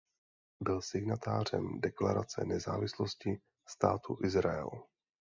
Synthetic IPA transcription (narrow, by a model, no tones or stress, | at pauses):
bɪlsɪɡnat̪aːr̝ɛ̰mdɛklaɾat͡sɛ̰nɛzaːvɪsloscɪ | st̪aːt̪ʰuʔɪzɾaɛ̰l